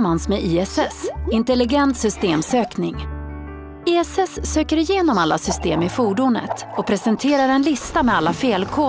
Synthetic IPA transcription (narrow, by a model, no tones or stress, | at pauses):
ansmɛiːɛsɛsɪnt̪ɛlɪɡɛnt̪sʏst̪eːmsøːknɪŋ | iːɛsɛsːøːkəɾɪjeːnɔmalːa̰sʏst̪eːmɪfuːɖʊnə̰t̪ | ɔpʰɾɛsɛnt̪ʰeːɾaɾɛnlɪst̪amɛalːafeːlkʰoː